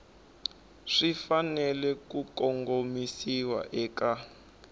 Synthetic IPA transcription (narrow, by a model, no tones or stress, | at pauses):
ʂifanɛlɛkukɔŋɡomisiwa̰ʔɛːka